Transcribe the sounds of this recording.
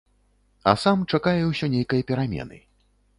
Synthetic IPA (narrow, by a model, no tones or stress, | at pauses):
ɐ̰samt͡ʂakajɛwsʲɔnʲejkɐjɐpʲɛɾamʲɛ̰nɨ̰